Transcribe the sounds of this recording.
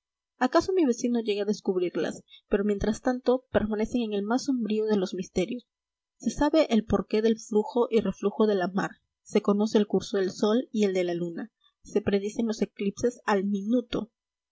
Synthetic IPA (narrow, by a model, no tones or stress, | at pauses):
akaso̞miβe̞sino̞ʝe̞ɣeaðe̞skuβɾiɾla̰spe̞ɾo̞mje̞nt̪ɾast̪ant̪o̞pe̞ɾmane̞se̞ŋe̞ŋe̞lmasːo̞mbɾioð̞e̞lo̞zmist̪e̞ɾjo̞sː | e̞saβe̞ʔelpo̞ɾke̞ðe̞lfluxo̞ʔire̞fluxo̞ðe̞lama̰ɾ | se̞ko̞no̞se̞ːlkuɾso̞ðe̞lso̞lie̞ld̪e̞laluna | se̞pɾe̞ðise̞ŋlo̞se̞klipse̞salmĩnut̪o̞̰